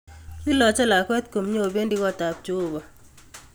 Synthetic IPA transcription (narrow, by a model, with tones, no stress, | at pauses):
i˦lɔ˨t͡ʃɔ˦la˨kwɛ˦t̪̚ko˨mɲo˦˨be˦ndi˦ɣɔ˦ta˨p̚t͡ʃoː˦˨ba˨